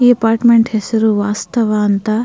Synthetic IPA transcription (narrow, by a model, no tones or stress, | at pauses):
iːɐpaːɾʈmeɳʈhesɐɾuʋaːst̪ɐʋaɐnt̪aː